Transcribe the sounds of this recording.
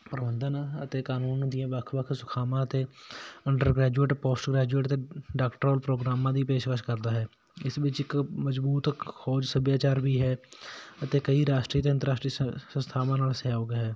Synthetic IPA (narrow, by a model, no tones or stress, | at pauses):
pɾəbənd̪ənət̪eːkaːnuːnd̪ijãːʋəkʰʋəkʰsʊ̥kʰaːmãːət̪eːəɳɖəɾɡɾɛːd͡ʒueːʈpoːsʈɡɾɛːd͡ʒueːʈət̪eːɖaːkʈəɾoːlpɾoːɡɾaːmãːd̪iːpeːʃkəʃkəɾd̪aːɦɛː | ɪsʋɪt͡ʃɪkməzbuːt̪kʰoːd͡ʒsəbjaːt͡ʃaːɾbiːɦɛːət̪eːkəiːɾaːʃʈɾiːt̪eənt̪əɾaːsʈɾiːsə̃st̪ʰaːʋãːnaːlsɛːoːɡeɦɛː